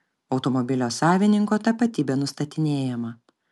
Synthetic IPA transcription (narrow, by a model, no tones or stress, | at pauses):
ɒʊt̪ɔmɔbʲɪlʲoːsɑːʋʲɪnʲɪŋkoːt̪ɐpɐt̪ʲiːbʲɛːnʊst̪ɐt̪ʲɪnʲeːjɛmɐ